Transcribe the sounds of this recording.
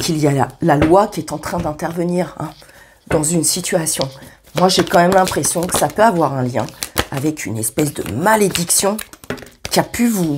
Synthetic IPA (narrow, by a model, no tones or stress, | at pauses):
kʰilijalalwakʲiɛt̪ɑ̃t̪χɛ̃d̪ɛ̃t̪ɛʁvəniːʁɛ̰̃ | d̪ɑ̃zynsit̪yasjɔ̃ | mwaʒekɑ̃mɛmlɛ̃pχesjɔ̃kə̥sapøavwaʁɛ̃ljɛ̰̃avɛkʰynɛspɛs̬d̪ə̰maled̪iksjɔ̃kʲiapʰyvu